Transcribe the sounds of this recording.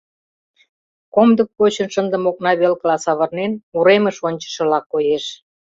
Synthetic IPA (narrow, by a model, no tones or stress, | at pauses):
komd̪ək̚pot͡ɕənʃənd̪ə̆mok̚nɑβelklɑsɑβə̆rnenuɾemə̆ʃonʲt͡ɕə̥ʃɤ̆lɑkːojeʃ